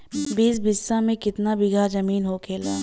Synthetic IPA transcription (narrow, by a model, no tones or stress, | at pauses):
biːs̬bɪsːamẽkɪt̪nabɪɡʱad͡ʒɐmiːnɦokʰeːlaː